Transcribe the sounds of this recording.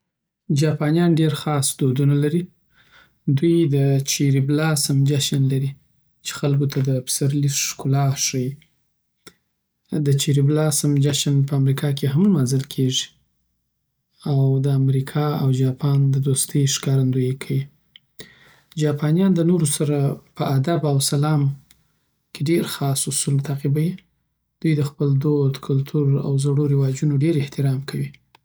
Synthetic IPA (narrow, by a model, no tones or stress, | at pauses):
d͡ʒɑpɑnijɑnɖeɾxɑsd̪od̪unalaɾi | d̪ujd̪ət͡ʃiɾiblɑsamd͡ʒaʃanlaɾi | t͡ʃe̥xalkot̪ʰad̪əpɪ̥saɾliskʊlɑʂaji | d̪ət͡ʃiɾiblɑsamd͡ʒaʃanpəamɾikʰɑkeɦamlmanzɪlkʰeʐi | awd̪əamɾikʰɑawd͡ʒɑpʰɑnd̪əd̪ost̪əjʃkɑɾand̪ujekʰawi | d͡ʒɑpɑnjɑnd̪ənoɾosaɾapəʔad̪abawsalɑm | kʰeɖeɾxɑsʊsult̪ʰaqibaji | d̪̥ujd̪əxpəld̪od̪kʰʊlt̪ʰuɾa̰wzaɽoɾɪwɑd͡ʒunoɖeɾɪht̪ɪɾɑmkʰawi